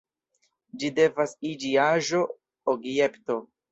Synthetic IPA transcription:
d͡ʒide̞vasid͡ʒiaʒo̞ | oɡje̞pto̞

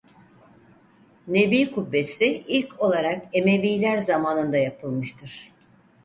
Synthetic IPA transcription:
ne̞biːkubːesiilʲkʰo̞lˠaɾake̞me̞viːlʲæɾzamaːnɯnd̪ajapʰɯlˠmɯʃt̪ʰɯɾ̥

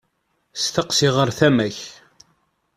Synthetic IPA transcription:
st̪əqsiʁəɾθæmæç

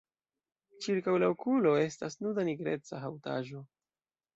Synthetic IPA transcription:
t͡ʃiɾkawlaokulo̞e̞stasnudaniɡɾe̞t͡saɦawta̰ʒo̞

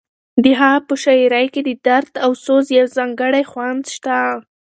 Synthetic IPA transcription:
d̪əɦɑpəʃaiɾajked̪əd̪aɾd̪awsozjawzɑŋɡəɽajxwand̪ʃt̪a

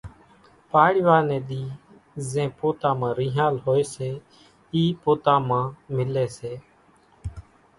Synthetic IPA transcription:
paːɽɪʋaːnẽːɗ̪iː | zẽːpoːt̪aːmãːɾĩːɦaːlɦoːeːseː | iːpoːt̪ãːmãːmɪleːseː

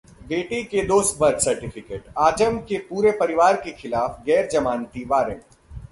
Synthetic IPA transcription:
beːʈiked̪oːst̪̚bɐɾd̪sɐɾʈɪfʰɪkeːʈaːd͡ʒəmkepuːɾepɐɾɪʋaːɾkexɪlaːfɡɛːɾd͡ʒɐmaːnt̪iʋaːɾə̃m

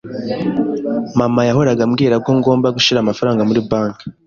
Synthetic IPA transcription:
mamajaɦo̞ɾaɡamɡiːɾakoŋɡo̞ːmbaɡuʃiɾaːmafaɾaːŋɡamuɾibaːŋkḁ

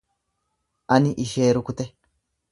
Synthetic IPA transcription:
ʔɐnɪʔɪʃeːɾʊkʊt̪ɛ

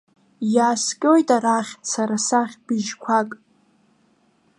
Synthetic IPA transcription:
jaːskʲʼo̞jtʼaɾaχʲsaɾasaχʲbɪʒkʷʰakʼ

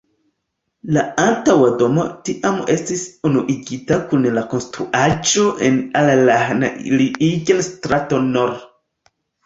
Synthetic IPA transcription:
laantawado̞mo̞̰tiʔame̞stisonuʔiɡitakunlakonstɾuʔad͡ʒo̞ʔenalalanaliʔiɡenstɾatonoɾ

